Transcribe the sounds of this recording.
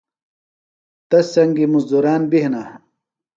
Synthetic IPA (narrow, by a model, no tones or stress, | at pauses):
t̪ɐsːɐŋɡimuzd̪uɾaːnbihna